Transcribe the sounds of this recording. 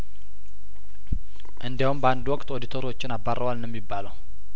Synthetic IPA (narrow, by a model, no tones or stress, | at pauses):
ʔɨnd̪jawumbəand̪uwɔkʼt̪od̪it̪ʰoɾwo̞t͡ʃːɪnabarːəwalnɛmːibːaləw